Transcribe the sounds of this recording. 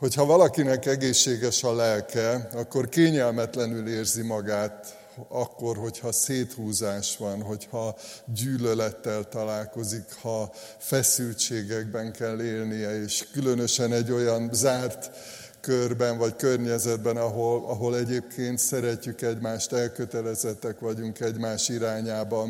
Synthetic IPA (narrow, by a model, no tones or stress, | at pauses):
ho̞chɒvɒlɒkinɛkɛɡeːʃːeːɡɛʃɒlɛlkɛɒkːo̞rkeːɲɛlmɛt̪lɛnyleːrzimɒɡaːt̪ | ɒkːo̞rɦo̞chɒseːt̪huːzaːʃʋɒnɦo̞chɒɟyːlølɛt̪ːɛlt̪ɒlaːlko̞zikhɒ | fɛsylt͡ʃeːɡɛɡ̚bɛŋkɛlːeːlnijɛeːʃkylø̞nøʃɛnɛɟːo̞jɒnzaːrt̪ | kørbɛnvɒckørɲɛzɛd̪bɛnɒɦolɒɦo̞lɛɟeːpkʰeːnt̪sɛɾɛcːykɛɟmaːʃt̪ɛlkøt̪ɛlɛzɛt̪ːɛkʋɒɟuŋkɛɟmaːʃt̪iɾaːɲaːbɒn